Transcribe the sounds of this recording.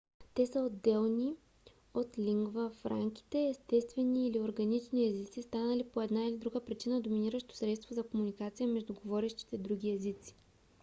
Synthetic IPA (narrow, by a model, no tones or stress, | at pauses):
t̪ɛsəod̪ːɛlˠni | ot̪lʲiŋɡvəfɾa̰ŋk̟i̥t̪ɛːst̪ɛst̪vɛniːlioɾɡɐnit͡ʃniɛzit̪sist̪anəlipoɛd̪nailid̪ɾuɡəpɾit͡ʃinəd̪ominiɾəʃt̪o̥sɾɛt̪st̪vozɐkomunikat̪sijəmɛʒd̪uɡovɔɾɛʃt̪i̥t̪ɛd̪ɾuɡʲiɛzit̪si̥